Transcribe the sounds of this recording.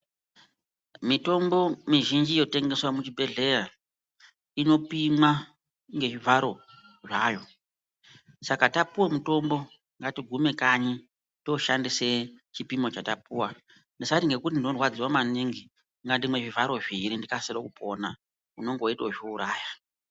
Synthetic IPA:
mito̞mbo̞miʒind͡ʒijo̞te̞ŋɡe̞swamut͡ʃibʱe̞ɮe̞ra | ino̞pimwa | ŋɡe̞ʐivʱaɾo̞ | ʐaːjo̞ | sakatapuwamuto̞mbo̞ | ŋɡatiɡʱume̞kaɲi | to̞ʃandiset͡ʃipimo̞t͡ʃatapuwa | ndisatiŋɡe̞kutindinorwad͡ziwamaniŋɡi | ŋɡandimwe̞ʐivʱaɾo̞ʐiɾindikaseɾokupo̞na | uno̞ŋɡo̞itoʐouɾaːja

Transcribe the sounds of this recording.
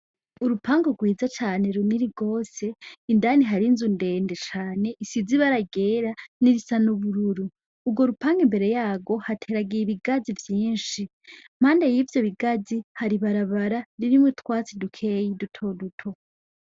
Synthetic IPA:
uɾupʰaːŋɡoɡwiːzat͡ʃaːne̞ɾuniɾiɡo̞ːse̞indaːniɦaɾinzunde̞ːnde̞t͡ʃaːne̞ʔisid͡ziβaɾaɡe̞ːɾaniɾisanuβuɾuɾuː | bɡo̞ɾupaːŋɡimbe̞ɾe̞jaːɡo̞hatʰe̞ːɾaɡijiβiɡazivjiːnʃi | m̥haːnde̞jiːvjoβiɡad͡zihaɾiβaɾaβaɾaɾiɾimwitkwaːt͡sidukʰe̞jidutʰo̞dutʰo̞

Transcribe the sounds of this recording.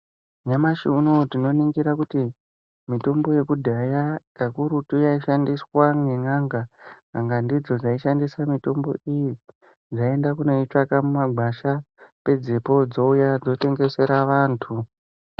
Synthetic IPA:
ɲamaʃiuno̞tino̞niŋɡiɾakuti | mito̞mbo̞je̞kudʱajakakuɾutujaiʃandiswaŋeŋaŋɡaŋaŋɡandid͡zo̞d͡zaiʃandisamito̞mbo̞̰ʔiji | d͡zae̞ndakuno̞it͡ʂakamumaɡʱaʃa | pe̞d͡zepo̞d͡zo̞ujad͡zo̞te̞ŋɡe̞se̞ɾaʋaːntʰu

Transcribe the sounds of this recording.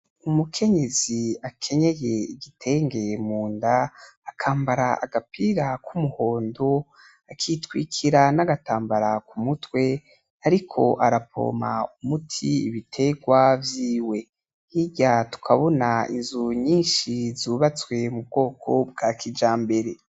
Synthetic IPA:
umukʰe̞ɲe̞ziakʰe̞ɲe̞je̞iɡitʰe̞ːŋɡe̞muːndaːkʰaːmbaɾaaɡapiːɾakʰumuho̞ːndo | akʰitwiːkʰiɾanaɡataːmbaɾakumutwe̞ | aɾikʰo̞̰ʔaɾapʰo̰ma̰umutʰiiβitʰe̞ɡwavjiːwe̞ | hiɟatu̥kʰaβo̞naḭnzuɲiːnʃizuːβat͡swe̞mub̚ɡo̞ːkʰo̞b̚ɡ̥aːkid͡ʒaːmbe̞ɾe̞

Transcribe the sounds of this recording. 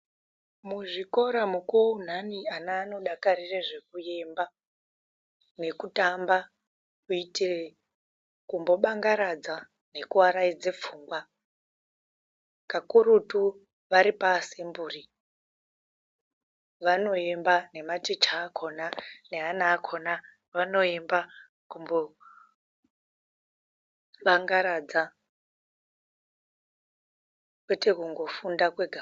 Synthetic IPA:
muʐiko̞ɾamukoun̤anianaːno̞ɗakaɾireʐe̞kuje̞mba | ne̞kutamba | kuitire | kumbo̞ɓaŋɡaɾad͡za | ne̞kuaɾaid͡ze̞p͡fuːŋɡwa | kakuɾutu | ʋaɾipasimbuːri | ʋano̞embane̞matit͡ʃaːkʰonaneɦanaːkʰona | ʋano̞emba | kumbo | ʋaŋɡaɾad͡za | kwetekuŋɡo̞fundakweɡʱa

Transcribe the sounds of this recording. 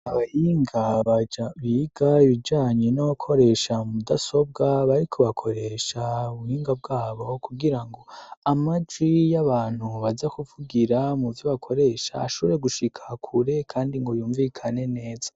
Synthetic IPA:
aβahiːŋɡaβad͡ʒaβiːɡaiβid͡ʒaːɲenokʰo̞ɾe̞ʃaudaso̞b̚ɡaβaɾikʰoβakʰo̞ɾe̞ʃauβuhiːŋɡab̚ɡaːβo̞kuɡiɾaŋɡo̞amad͡ʒwijaβaːn̥huβazakuvuɡiɾamuvjoβakʰo̞ɾe̞ʃa̰ːʃuɾe̞ɡuʃikʰḁkʰuɾe̞kʰaːndiŋɡojuːɱvikʰane̞ne̞ːz̥a

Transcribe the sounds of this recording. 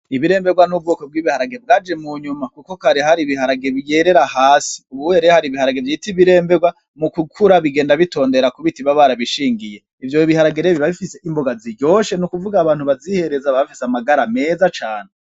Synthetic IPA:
iβiɾe̞ːmbe̞ɡwanub̚ɡoko̞b̚ɡiːβihaɾaɡeb̚ɡaːd͡ʒe̞muɲumakukokaɾihaɾiβihaɾaɡeβijeɾe̞ɾahaːsi̥uβuheɾehaɾiβihaɾaɡevjitiβiɾe̞ːmbeɡwa | mukukʰuɾaβiɡeːndaβito̞ːnde̞ɾakuβitiβaβaɾaβiʃiːŋɡije̞ | ivjo̞βihaɾaɡeɾeβiβaβifise̞ʔimbo̞ɡaziɾɟo̞ːʃe̞nukuvuɡaːβaːn̥huβazihe̞ɾezaβaβifiseamaɡaɾame̞ːzat͡ʃaːne

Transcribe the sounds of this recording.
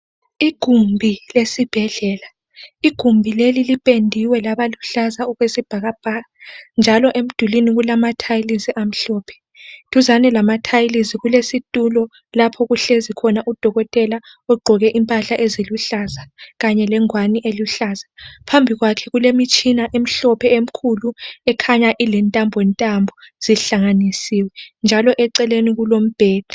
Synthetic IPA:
iɡ̥ʱumbʱilesib̥ʱɛɮɛːla | iɡ̥ʱumbʱilelilipʼendʱiwɛlaβaluɬazaɔɣwesib̥ʱaɣab̥ʱaɣand͡ʒʱalɔʔem̩d̥ʱuliniɣulamatʰajliziʔam̩ɬɔːpʰɛ̥ | tʰʼuzanɛlamatʰajliziɣulesitʼulɔ | lapʰɔɣuɬezikʰɔnaʔud̥ʱɔɣɔtʼɛla | ɔɡ͡ǃʱɔɣɛʔimpʼaɬaʔeziluɬazaɣaɲɛlɛŋwaniʔeluɬaːzapʰambʱiɣwakʰɛɣulemit͡ʃʼʰinaʔem̩ɬɔpʰɛem̩kʰuluɛkʰaɲaʔilɛntʼambʱɔwɛntʼambʱɔz̥iɬaŋanisiwɛnd͡ʒʱalɔʔɛǀɛleniɣulom̩b̥ʱɛːd̥ʱḁ

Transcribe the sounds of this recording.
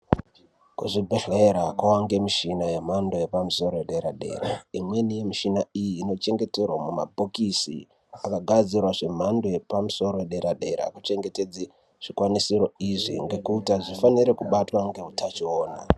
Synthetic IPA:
kuʐibʱeɮeeɾakwawaŋɡe̞miʃinaje̞m̤ando̞jepamuso̞ɾojeɗe̞ɾaɗe̞̰ːɾaimwe̞nije̞miʃinaijiːno̞t͡ʃe̞ŋɡe̞te̞rwamuma̰bʱokisḭ | akaɡʱad͡zirwaʐe̞m̤ando̞je̞pamuso̞ɾojeɗeɾaɗe̞ɾa̰kut͡ʃe̞ŋɡe̞te̞d͡zi | ʐ̥ikwanisiɾo̞iʐḭŋɡe̞kuːtaʐifaniɾe̞kuɓatwaŋɡe̞utat͡ʃioːna̰

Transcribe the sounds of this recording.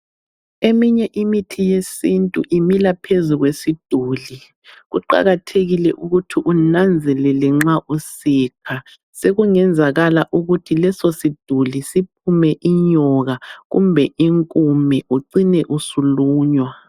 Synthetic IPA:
emiɲɛʔimitʰijesintʼṵʔimilapʰezuɣwesid̥ʱuːli | ɣuǃa̰ɣatʰeɣilɛʔuɣutʰiʔunand͡zʱɛlɛlɛŋ͡ǁaʔusiːkʰa | seɣuŋɛnd͡zʱaɣalaʔuɣutʰilɛsosid̥ʱulisip̚ʰumɛʔiɲɔɣaɣṵmbʱɛʔiŋkʼumɛʔuǀinɛʔusuluːɲwa

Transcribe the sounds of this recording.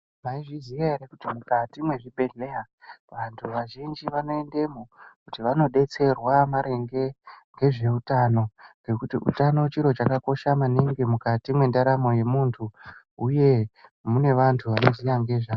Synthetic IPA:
maiʐizijaeɾekutimukatimwe̞ʐibʱe̞ɮe̞ja | ʋantʰuʋaʒind͡ʒiʋano̞e̞nde̞mokutiʋano̞ɗe̞t͡se̞rwamaɾe̞ŋɡe̞ŋɡe̞ʐe̞utano̞ŋɡe̞kutiʔṵtano̞t͡ʃiɾo̞t͡ʃakako̞ʃamaniŋɡimukatimwe̞ndaɾamo̞je̞muntʰu | uje̞mune̞ʋantʰuʋanozijaŋɡe̞ʐa

